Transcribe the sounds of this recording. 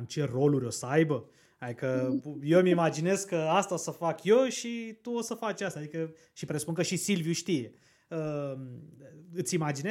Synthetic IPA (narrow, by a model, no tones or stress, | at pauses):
mt͡ʃe̞ro̞luɾʲo̞səajbə | ad̪ikəje̞mimad͡ʒine̞zkəast̪aosəfakjoʃit̪uo̞səfat͡ʃʲast̪aːd̪ikə | ʃipɾesu̥punkəʃisilvjuʃt̪ije̞ | ə | ɨt̪sʲimad͡ʒine